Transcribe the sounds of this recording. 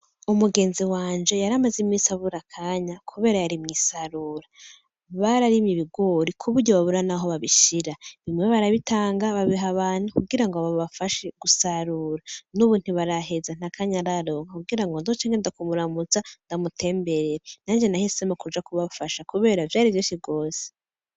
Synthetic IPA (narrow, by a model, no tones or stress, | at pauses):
umuɡe̞ːnziwaːnd͡ʒe̞jaɾamazimŋisaβuɾakʰaːɲakʰuβe̞ːɾajaɾimŋisaɾuɾa | βaɾaɾimɲiβiɡo̞ɾikʰuβuɾɟoβaβuɾanaɦo̞βaβiʃiɾaβimwe̞βaɾaβitaːŋɡaβaβiɦaβaːn̥ukuɡiɾaŋɡβaβafaʃeɡ̥usaɾuɾanuβuːn̥huβaɾaɦe̞zan̥akʰaːɲaɾaɾo̞ːŋɡakuɡiɾaŋɡondot͡ʃaːŋɡendakumuɾamut͡sandamutʰe̞ːmbe̞ɾeɾen̥aːnd͡ʒe̞nahisemakud͡ʒakuβafaʃakuβe̞ːɾavjaːɾivjoːsibɡo̞ːse̥